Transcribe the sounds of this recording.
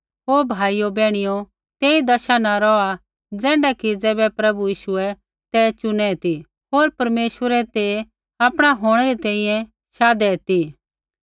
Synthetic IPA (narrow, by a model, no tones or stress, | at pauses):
ɦoːbʱaːijobɛːɽ̃ɪjo | t̪eːid̪ɐʃanaɾɔa | d͡zɛ̃ːɳɖakid͡zɛːbɛpɾɐbujiːʃʊɛ | t̪ɛt͡ʃʊnɛt̪i | ɦoːɾpɐɾmeːʃwəɾɛt̪e | apɽ̃aɦoːɽ̃ɛɾit̪ɛ̃ːĩjɛ̃ | ʃaːd̪ɛt̪i